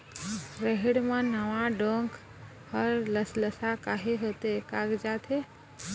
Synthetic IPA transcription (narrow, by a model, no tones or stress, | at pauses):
ɾəɦiɽmənəʋãɖoŋk | həɾləsləsakaɦeɦot̪ekaɡd͡ʒat̪ʰe